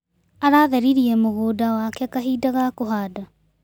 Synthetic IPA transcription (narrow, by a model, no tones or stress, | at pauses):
aɾaːðeɾiɾiemoɣodaoakeakaɦidaɣakoɦaːda